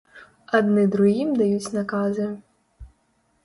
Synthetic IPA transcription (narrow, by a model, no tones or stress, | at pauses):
ɐd̪nɪd̪ɾʊɦimd̪ɐjut͡sʲnɐkɑzɨ